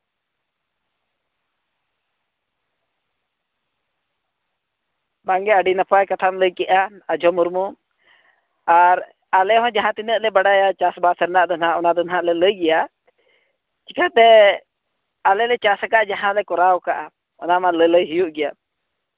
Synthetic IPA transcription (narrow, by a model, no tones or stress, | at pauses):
baŋɡɛəɖinapajkat̪ʰamləjkɛʔaad͡ʒʱɔmuɾmu | aɾ | alɛɦɔ̃d͡ʒaɦãt̪inəʔlɛbaɽajat͡ʃasbasəɾnaʔd̪ɔnɦãʔɔnad̪ɔnɦãʔlɛləjɡɛja | t͡ʃikət̪ɛ | alɛlɛt͡ʃasakaʔd͡ʒaɦãlɛkɔɾawkaʔa | ɔ̰namalələjɦijuʔɡɛja